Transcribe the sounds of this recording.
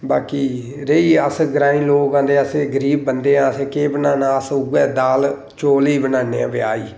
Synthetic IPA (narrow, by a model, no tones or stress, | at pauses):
baːkiː | ɾeiːəsɡɾaːĩːloːkãːnd̪eːəseːɡəɾiːbːənd̪eːãːəseːkeːbənaːnãːəsʊɡɛːd̪aːl | t͡ʃoːliːbənaːneːã̰ːʋɪa̰ːiː